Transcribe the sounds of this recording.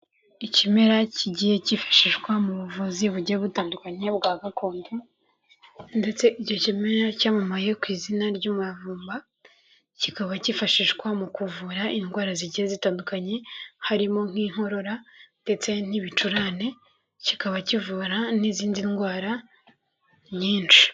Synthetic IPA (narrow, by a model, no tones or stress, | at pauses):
icime̞ɾaciɟije̞cifḁʃiʒɡwamuβuvuziβuɟieβutaːndukaɲe̞bɡaːɡakʰo̞ːndu | nde̞t͡se̞ʔiɟo̞cimeɾacaːmamaje̞kwiːzinaɾɟuːmuavuːmba | cikaβacifaʃiʒɡwamukuvuɾaʔinɡwaːɾaziɟijezitaːndukaɲe̞haɾimo̞ŋ̥hiːŋ̥ho̞ɾo̞ɾad̥e̞t͡se̞n̥iβit͡ʃuɾane̞ | cikaβacivuːɾaniziːndinɡwaːɾa | ɲiːnt͡ʃi̥